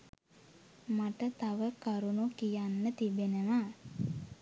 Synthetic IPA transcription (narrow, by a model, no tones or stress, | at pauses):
maʈət̪aʋəkaɾunukijanːət̪ibenəʋa